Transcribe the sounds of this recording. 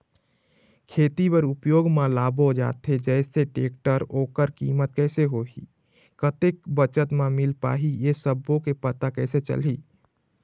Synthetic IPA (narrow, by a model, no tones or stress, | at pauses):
kʰeːt̪ibəɾupjoːɡmalabod͡ʒa̰ːt̪ʰed͡ʒɛɪseʈḛːkʈəɾoːkəɾkḭːmət̪̚kɛːseɦoɦḭ | kət̪ek̚bət͡ʃət̪mãmilpa̰ːɦiesəbːokepət̪akɛset͡ʃə̰lɦi